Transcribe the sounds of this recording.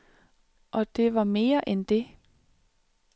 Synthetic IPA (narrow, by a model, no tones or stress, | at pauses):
ʔɒ̽d̥e̝ʋɑ̈me̝ːɐʔend̥e̝